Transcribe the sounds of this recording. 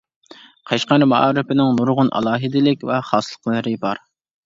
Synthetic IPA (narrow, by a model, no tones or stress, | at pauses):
qʰɑʃqɑɾmɑ̰ʔɑːɾɪpɪnɪŋnuɾʁʊnʔɑ̰lˠɑːɦɪd̪ɪlɪkʲvɛχɑːsɨlˠəqlˠɨɾɨbɑɾ